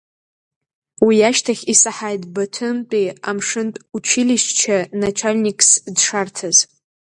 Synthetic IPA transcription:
wiaʃtʰaχʲisaħajtʼbatʷʰɨmt͡pʼia̰mʂɨntʼut͡ʃʰɪliʃt͡ʃʰanat͡ʃʷʰalʲnikʼʰsdʂartʰaz

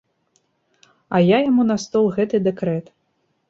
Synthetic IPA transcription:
ɐjajamunast̪ɔlˠɣɛt̪ɨd̪ɛkɾɛt̪

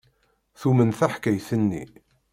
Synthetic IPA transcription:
θumənθæħkæjθənːḭ

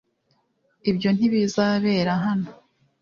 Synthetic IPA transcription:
ibjo̞n̥iβizaβe̞ːɾaɦano

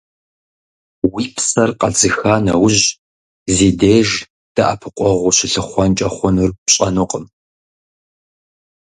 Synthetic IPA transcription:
wiːpʰsɐrqʼɐd͡zɨxaːnɐwʊʑ | zeːdeːʒ | d̥ɐʔapʰɨqʷʼɔʁʷʊɕɪɬɨχʷɔnt͡ʃʼɐχʷɔnɨrɕʼɐnʊqʼəm

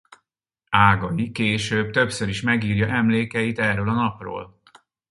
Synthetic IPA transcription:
aːɡɒjikeːʃøːb̚t̪ø̞psøɾiʃmɛɡiːrjɒʔɛmleːkɛjit̪ɛrøːlɒnɒpro̰ːl

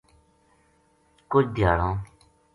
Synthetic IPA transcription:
kʊd͡ʒd̪ʱjaːɽõː

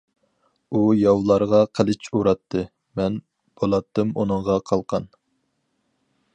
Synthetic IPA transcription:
ujɑwlˠɑɾʁɑqʰəlˠɪt͡ʃʰuɾɑt̪ʰːɨ | mɛn | b̥olˠɑt̪ːɨmunɨɴʁɑqʰɑlˠqʰɑn

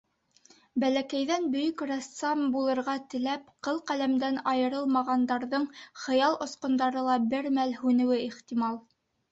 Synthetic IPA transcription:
bælækæjðænbɵ̆jɵkrɑst̪sɑmbulˠɤ̆ɾʁɑt̪ɘ̆læpqɤlˠqælæmd̪ænɑjɤ̆ɾɤlˠmɑʁɑnd̪ɑɾðɤɴχɤ̆jɑlˠŏsqŏnd̪ɑɾɤlˠɑbɘɾmælhʉnɘ̆wɘiχt̪imɑlˠ

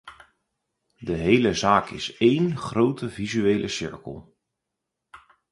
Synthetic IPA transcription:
dəɦejləzaːkʰɪseːnχroːtʰəvizyeːlʔəsɪ̰ɹkə̰lˠ

